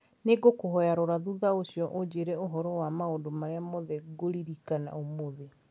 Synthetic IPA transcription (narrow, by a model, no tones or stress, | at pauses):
neɡokoɦɔjaɾɔɾaðuðaoɕjɔʔod͡ʑeɾɛoɦɔɾɔwamaondomaɾeamoðɛɡoɾiɾikana̰omoðe